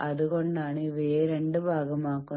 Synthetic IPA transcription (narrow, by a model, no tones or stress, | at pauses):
ɐðukoɳɖaːɳɨiʋeːɾeɳɖɨbʱaːɡɐmaːkːu